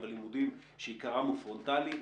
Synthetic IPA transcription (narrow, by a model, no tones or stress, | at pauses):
velimud̪im | ʃeikaʁamufʁont̪ali